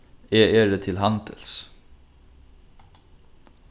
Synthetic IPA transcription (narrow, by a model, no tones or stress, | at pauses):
eːʔeːɖeːt̪ʰɪlhɑnd̪ə̰ls